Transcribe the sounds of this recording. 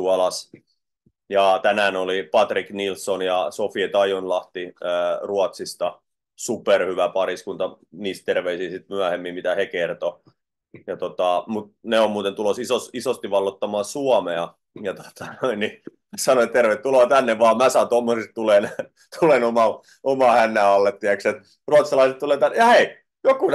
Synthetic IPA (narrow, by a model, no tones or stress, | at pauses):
uɑlɑs | jɑt̪ænæːnolipɑt̪riknilsːonjɑsofiet̪ɑijonlɑht̪iəːruɑt̪sist̪ɑ | superhyʋæpɑriskunt̪ɑ | niːst̪erʋeisiːsit̪myæhemːimmit̪æhekert̪o | jɑt̪ot̪ɑmut̪̚neommuːt̪ent̪ulosisosisost̪iʋɑlːot̪ːɑmɑːsuɑmeɑ | jɑt̪o̥t̪ɑ̥noinni | sɑnoet̪t̪erʋet̪ːuloɑt̪ænːeʋʋɑːmæːsɑːnt̪omːosestt̪ulen | t̪ʰulenomɑ | omɑhænːæːɑlːet̪t̪ːiækset̪ | ruɑt̪sɑlɑiset̪t̪uleːt̪ænːjɑhei | jokun